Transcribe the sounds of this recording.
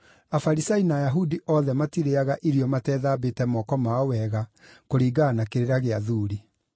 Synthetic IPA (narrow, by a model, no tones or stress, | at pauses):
afaɾisainaːjaɦudiʔɔðɛmatiɾeaɣaʔiɾiɔmatɛːðaːbetɛmɔkɔmaɔwɛɣakoɾiːɡaːnakeɾeɾaɣeaðuːɾi